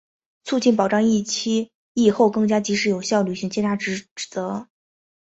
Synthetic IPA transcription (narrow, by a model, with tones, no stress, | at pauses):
t͡sʰu˥˧t͡ɕi˥˩npɑ˨˩ʊʈ͡ʂɑ˥˧ŋi˥˩t͡ɕʰi˥ | i˥˩xo˥˧ʊkɤ˥˩ŋt͡ɕja˥t͡ɕi˧˥ʂɻ̩˧˥jo˨˩ʊɕjɑ˥˩ʊly˨˩ɕi˧˥ŋt͡ɕʰɛ˥nt̪ʰa˥ʈ͡ʂɻ̩˧˥˨t͡sɤ˧˥